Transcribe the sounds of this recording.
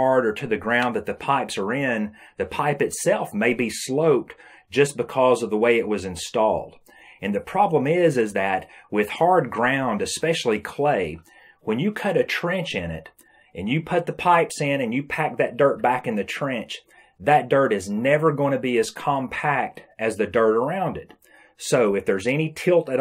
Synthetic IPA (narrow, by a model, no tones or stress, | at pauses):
ɑɹɾə˞ɾɨðɨɡɹãʊ̃nðɨt̪̚ðɨpʰaɪpsə˞ɪ̃nðɨpʰaɪpɨtsɛlˠfmeɪbisloʊp̚t | d̥ʒ̥ʌsb̥ɨkʰɔzʌvðəweɪɨʔ̚wʌzɨ̃nstɔ̰lˠd̥ | ɨ̃nðɨpʰɹ̥ɑblə̃mɪzɪzðɨt̚wɪð̥hɑɹd̚ɡɹãʊ̃ndɨspɛʃl̩ˠikʰl̥eɪ | wɨ̃njɨkʰʌɾɨtʰɹ̥ɛ̃nt͡ʃɪ̃nɪ̰t | ʔɨ̃njɨpʰʊt̪̚ðəpʰaɪpsɪ̃nɨ̃njɨpʰæk̚ðɨt̚d̥ɜ˞t̚b̥ækɨ̃nðɨtʰɹ̥ɛ̃nt͡ʃ | ðɨt̚d̥ɜ˞ɾɨznɛvə˞ɡoʊɪ̃ntʰɨbiɨz̥kʰɑ̃mpʰæk̚tɨzðɨdɜ˞ɾə˞ãʊ̃ndɨt̚ | soʊɨfðə˞zɛñitʰɪlˠtɨɾ